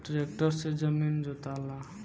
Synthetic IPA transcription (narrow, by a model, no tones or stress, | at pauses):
ɖɾek̚ʈəɾsed͡ʒəmind͡ʒot̪ala